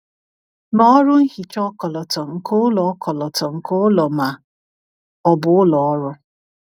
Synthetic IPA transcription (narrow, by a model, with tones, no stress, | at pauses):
nɔ˦ɔ˦ɾʊ˦ŋ̩˦hi˨t͡ʃɔ˦kɔ˨lɔ˨tɔ˨ŋ̩˨ko˦ʊ˦lɔ˨ɔ˦kɔ˨lɔ˨tɔ˨ŋ̩˨ko˦ʊ˦lɔ˨ma˨ | ɔ˨bʊ˨˦ʊ˦lɔ˨ɔ˦ɾʊ˦